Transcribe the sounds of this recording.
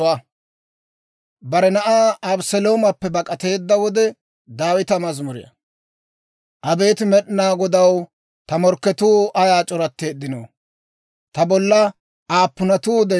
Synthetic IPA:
a | bɐɾɛnɐʔaːɐbsɛlo̞ːmɐpːɛbɐkʼɐt̪e̞ːd̪ːɐwɔd̪ɛ | d̪aːwɪt̪ɐmɐzmʊɾɪ̰jɐ̰ | ʔɐbe̞ːt̪ɪmɛɗɪnaːɡɔd̪ɐw | t̪ɐmɔɾkːɛt̪uːɐjaːt͡ʃʼɔɾɐt̪ːe̞ːd̪ːɪnoː | t̪ɐbɔlːɐ | aːpːʊnɐt̪uːd̪ɛ

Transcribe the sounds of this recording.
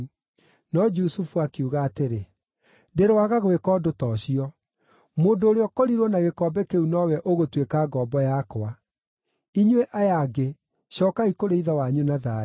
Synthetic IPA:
nɔd͡ʒusufuakuɣaːteɾe | deɾowaɣaɣwekɔdotɔːɕiɔ | moːndoːɾeɔkɔɾiɾwɔnaɣekɔbɛkeunɔwɛʔoɣotwekaːɡɔːbɔjakoa | iɲweʔajaɡe | ɕɔːkaikoɾeiðawaɲunaða

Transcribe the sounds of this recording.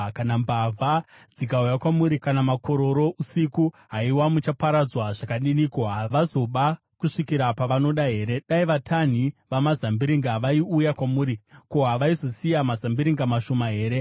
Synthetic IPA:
kanambavʱad͡zikaujakwamuɾikanamakʰo̞ɾo̞ɾo̞ʔusiku | ɦaiwamut͡ʃapaɾad͡zwaʐakaɗinikoɦaʋazo̞ɓa | kuʂikiɾapaʋano̞ɗaɦe̞ːɾe̞ɗaiʋatʰan̤iʋamazambiɾiŋɡaʋaiujakwamuːɾikoɦaʋaizo̞sijamazambiɾiŋɡamaʃo̞maɦe̞ːɾe̞

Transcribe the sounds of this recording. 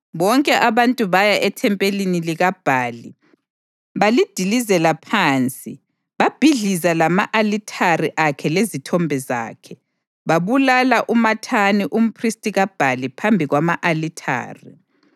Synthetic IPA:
βɔŋkʼɛʔaβantʼuβajaʔɛtʰɛmpʼeliniliɣab̥ʱaːli | βalid̥ʱilizɛlapʰaːnt͡sʼi | βab̥ʱiɮizalamaʔalitʰariʔakʰɛlezitʰɔmbʱɛza̰ːkʰɛ | βaβulalaʔumatʰaniʔum̩pʰristʼiɣab̥ʱalipʰambʱiɣwamaʔalitʰa̰ːri

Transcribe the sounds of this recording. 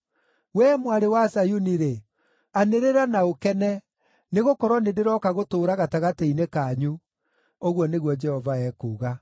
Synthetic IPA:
wɛmwaɾewasajuniɾe | aneɾeɾanaokɛnɛ | neɣokɔɾɔnedeɾɔkaɣotoːɾaɣataɣateinekaɲu | oɣwɔneɣwɔd͡ʒɛhɔvaɛːkuːɣa

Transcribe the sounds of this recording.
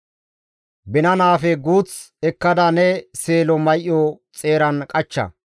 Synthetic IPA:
bɪnɐnaːfɛɡuːt͡sɛkːɐd̪ɐnɛse̞ːlɔmɐjʔjɔt͡sʼe̞ːɾɐnkʼɐt͡ʃːɐ̰

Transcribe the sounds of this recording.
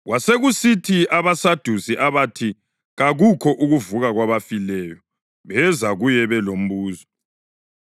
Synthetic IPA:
ɣwʔaseɣusitʰiaβasad̥ʱusiʔaβatʰi | ɣaɣukʰɔʔuɣuvuɣaɣwaβafilɛjɔ | βɛzaɣujɛβɛlom̩βuːzɔ

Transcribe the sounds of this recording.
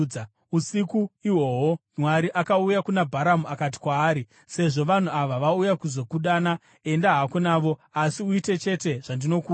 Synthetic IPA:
usikuiwo̞ɦo̞nwaɾiʔakaujakunabʱaɾamuakat̬i̥kwaːɾi | se̞ʐo̞ʋan̤uaʋaʋaujakuzo̞kuɗana | e̞ndaɦakunaːʋo̞asiuite̞t͡ʃe̞te̞ʐ̥andino̞kuː

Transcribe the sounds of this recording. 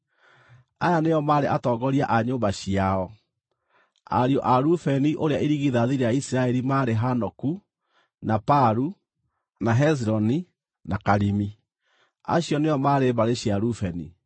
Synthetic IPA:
ajaneɔmaːɾeʔatɔɡɔɾiaʔaɲoːmbaɕiaɔ | a̰ɾiɔʔaɾufɛniʔoɾeaʔiɾiɣiðaðiɾejaisiɾaɛɾimaɾeɦanɔku | napaɾu | naɦɛzɾɔni | nakaɾimi | a̰ɕjɔneɔmaːɾebaɾeɕiaɾufɛnḭ

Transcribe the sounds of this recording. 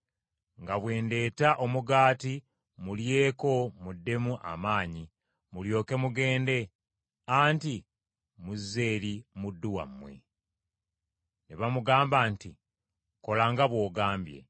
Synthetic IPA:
ŋɡaβwe̞ːnde̞ːtaʔo̞muɡaːti | mulje̞ːko̞mudːe̞muʔa̰maːɲi | muljo̞ːke̞muɡe̞ːnde̞ | aːnti | muze̞ːɾimudːuwa̰mːwḛ | neβamuɡaːmbaːnti | ko̞laːŋɡaβwo̞ːɡaːmbje̞̰

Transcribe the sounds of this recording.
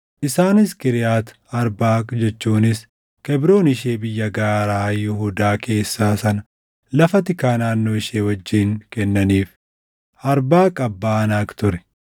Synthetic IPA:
ʔɪsaːnɪskɪɾɪjaːt̪ | ɐɾbaːkd͡ʒɛt͡ʃːuːnɪs | kɛbɾo̞ːnɪʃe̞ːbɪjːɐɡaːɾaːjʊhud̪aːkʰe̞ːsːaːsɐnɐ | lɐfɐt̪ɪkaːnaːnːo̞ːɪʃeːwɐd͡ʒːiːŋkɛnːɐniːf | ʔɐɾbaːkʼɐbːaːnaːkt̪ʊɾɛ̥

